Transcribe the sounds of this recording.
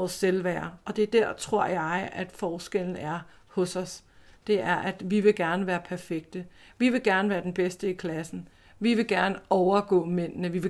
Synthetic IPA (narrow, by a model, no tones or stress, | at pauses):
ɒsːelʋæːɐɒ̽d̥e̝æɐd̥æɐ̰t͡sʰʁo̝ɐ̰jɑ̈ɪæd̥fɒːsɡ̥el̰n̩æɐ | hɔ̽sɒ̽sd̥e̝æɐʔæd̥ʋiʋe̝ɡ̥æɐnəʋæːɐpʰæɐfeɡ̥̚d̥əʋiʋe̝ɡ̥æɐnəʋæːɐd̥enb̥esd̥əikʰlæsn̩ | ʋiʋe̝ɡ̥æɐnəɒʊɐɡ̥ɔ̰̽ːmen̰nəʋiʋe̝